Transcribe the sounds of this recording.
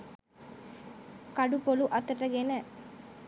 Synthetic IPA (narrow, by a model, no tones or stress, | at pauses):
kɐɖupoluʔɐt̪ɐʈːɐɡenə